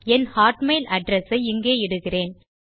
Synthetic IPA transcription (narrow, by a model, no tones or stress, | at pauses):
ɛnhaːʈmeɪlɐɖɾɐsɐɪɪŋɡeːɪɽɯɣɪreːn